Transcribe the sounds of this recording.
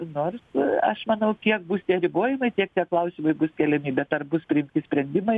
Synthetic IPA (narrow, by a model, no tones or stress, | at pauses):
noːrsɐʃmɐnɐʊkʲiɛk̚bʊst̪ʲiɛɾʲɪboːjɪmɐɪt̪ʲiɛk̚t̪ʲiɛklˠɐʊsʲimɐɪbʊskʲɛlʲɛmʲɪbʲɛt̪ɐrbʊspʲɾʲɪɪmʲt̪ʲɪsʲpʲɾʲɛnʲd̪ʲɪmɐɪ